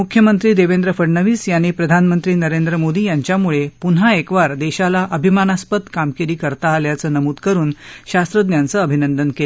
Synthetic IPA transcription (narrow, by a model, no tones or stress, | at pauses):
mukʰjəmənt̪ɾiːd̪eʋend̪ɾəfəɽɳəʋiːsjaɽ̃iːpɾəd̪ʱanmənt̪ɾiːnəɾend̪ɾəmod̪iːjaɲt͡ɕjamuɭepun̤ɦaekʋaɾd̪eɕalaʔəbʱimanaspət̪kamkeɾiːkəɾt̪aːljat͡səːnəmuːd̪kəɾuːnɕast̪ɾəd̪njant͡səəbʱinənd̪ənkel